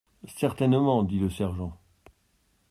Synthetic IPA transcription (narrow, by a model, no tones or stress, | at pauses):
sɛʁt̪ɛnmɑ̃d̪iləsɛʁʒɑ̃